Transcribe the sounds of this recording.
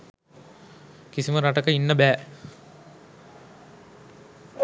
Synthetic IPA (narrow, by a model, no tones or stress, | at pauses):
kisiməɾaʈəkəinːəbæː